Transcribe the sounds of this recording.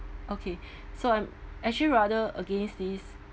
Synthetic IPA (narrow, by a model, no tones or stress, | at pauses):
ʔokʰe | soãjmɛk̚t͡ʃuliɹadəəɡẽnsdis